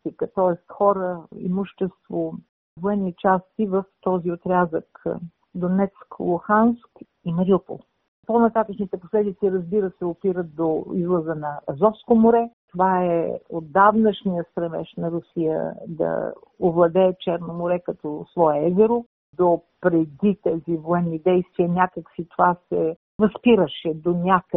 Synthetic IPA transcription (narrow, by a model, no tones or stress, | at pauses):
t̪ikət̪ɔɛst̪xɔɾəḭmuʃt̪ɛst̪vo | voɛnːit͡ʃast̪ivəft̪ɔziot̪ɾʲazək | d̪onɛt̪sklˠuxansk | imɐɾiupo̰lˠ | ponɐt̪at̪ət͡ʃnit̪ɛposlɛd̪it̪siɾəzbiɾəsɛopiɾət̪̚d̪oḭzlˠəzənɐːzɔfskomoɾɛt̪ovaɛ̰od̪ːavnəʃnijəst̪ɾɛvɛ̰ʃnɐɾʊsijə̰d̪ɐ̰ | ovlˠɐd̪ɛːt͡ʃɛɾnomʊɾɛkɐt̪ɔslˠɔɛɛzɛɾo | d̪opɾɛd̪it̪ɛzivoɛnːid̪ɛjst̪viənʲakəksit̪ovasɛ | ɾɐspiɾəʃɛd̪onʲak